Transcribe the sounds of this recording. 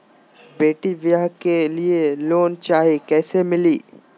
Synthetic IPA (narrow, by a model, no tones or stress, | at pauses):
beːʈiʋjaɦkelieloːnt͡ʃaːɦiekɛːsemɪliː